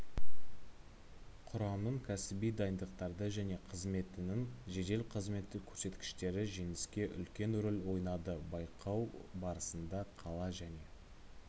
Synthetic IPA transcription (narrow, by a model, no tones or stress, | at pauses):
qʰʊɾɑmnəɴkʲʰæsɪbijd̪ɑjənd̪əqt̪ɑɾd̪əʒæne̞qʰəzme̞t̪ɪnɪŋʒe̞d̪e̞lqʰəzme̞t̪ːɪkʲʰɵ̥ɾse̞t̪kʲɪ̥ʃt̪e̞ɾɪʒe̞ŋɪskʲe̞ʔʏ̰lkʲe̞nʊɾɪlwo̞jnɑd̪əbɑjqʰɑwbɑɾəsənd̪ɑqʰɑlˠɑʒæne̞